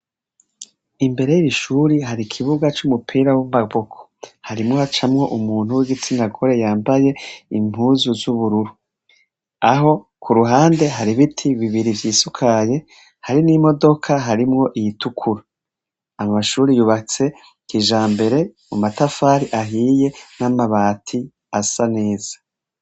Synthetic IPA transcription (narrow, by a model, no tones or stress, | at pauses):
imbe̞ɾe̞jiiʃuɾiɦaɾikʰiβuɡat͡ʃumupʰiːɾawimaβokʰo̥haɾimŋo̞hat͡ʃamŋo̞ʔumuːn̥uwiɡit͡sinaɡo̞ɾe̞jaːmbaje̞im̥huzuzuβuɾuɾu | aɦo̞ | kuɾuɦaːnde̞ɦaɾiβitʰiβiβiɾivjiːsukʰaje̞ | haɾinimo̞do̞kʰaɦaɾimŋo̞ʔijitukʰuɾa | amaʃuːɾijuβat͡se̞ | kiʒaːmbe̞ɾe̞mumatafaːɾiʔaɦije̞namaβaːtʰi | asane̞ːz̥ḁ